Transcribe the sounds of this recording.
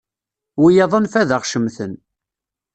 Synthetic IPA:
wijɑðˤənfæðəʁʃəmθən

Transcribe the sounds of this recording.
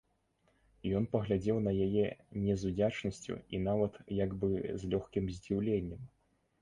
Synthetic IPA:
jɔnpɐɣlʲad͡zʲɛwnɐjajɛnʲɛzud͡zʲat͡ʂnɐsʲt͡sʲṵḭnavɐt̪jaɡbɨzʲlʲɔxkʲimzʲd͡zʲiwlʲenʲːɛm

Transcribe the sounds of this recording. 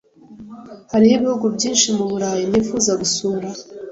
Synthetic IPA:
haɾihiβihuɡubɟiːnʃimuβuɾaːjinifuzaɡusuːɾa

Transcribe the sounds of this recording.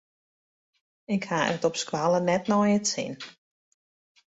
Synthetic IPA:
ɪkhaːə̰tɔpskwalənɛtnɔjətsḭn

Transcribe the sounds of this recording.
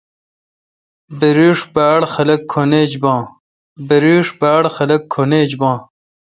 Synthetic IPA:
beɾiːʂbaːɽxɐlɐkʰːoneːd͡ʑbãː | bɐɾiːʂbaːɽxɐlɐkʰːoneːd͡ʑbãː

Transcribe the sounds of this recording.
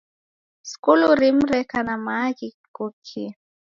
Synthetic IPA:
skuluɾimɾɛkanamakikukʰi

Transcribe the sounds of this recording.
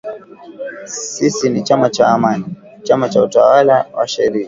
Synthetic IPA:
sisinit͡ʃamat͡ʃaːmani | t͡ʃamat͡ʃauta̰walawa̰ʃɛɾia

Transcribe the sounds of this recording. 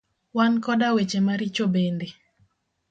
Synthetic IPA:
wankɔdawet͡ʃemaɾit͡ʃobende

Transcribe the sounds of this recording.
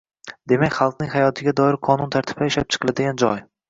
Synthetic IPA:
d̪e̞makʲχɑlˠq̚nɪŋʲhajɒt̪ʰɪɡʲad̪ɒɪɾqʰɒnʊnt̪ʰaɾt̪ʰɪ̥paɪʃlap̚t͡ʃʰɨ̥qʰɨlad̪ɪɡʲand͡ʒɒj

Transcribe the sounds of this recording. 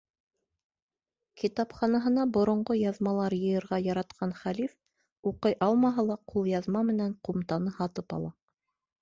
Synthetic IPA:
kʰit̪ɑpχɑnɑɦɤ̆nɑbŏɾŏɴɢojɑðmɑlˠɑɾjɤ̆jɤ̆ɾʁɑjɑɾɑt̪qʰɑnχælif | uqɤjʔɑlˠmɑɦɑlˠɑqʰulˠjɑðmɑmɘ̆næɴqumt̪ɑnɤhɑt̪ɤpɑ̰lˠɑ

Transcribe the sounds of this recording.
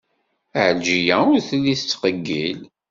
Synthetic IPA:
əʕəlʒijæʊɾθlːiθt͡sːqəɡːil

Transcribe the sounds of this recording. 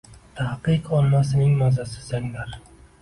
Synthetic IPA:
t̪ʰahqɨqɒlmasɪnɪŋmazasɪ̥zaŋlaɾ

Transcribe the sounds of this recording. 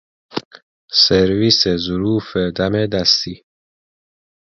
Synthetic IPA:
seɾvisezʊɾuːfed̪æmed̪æst̪iː

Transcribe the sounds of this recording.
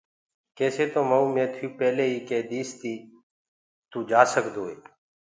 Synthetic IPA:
keːseːt̪oːməũːmẽːt̪ʰuːpɛːleːiːkeːd̪iːst̪iː | t̪ũːd͡ʒaːsəkd̪oːeː

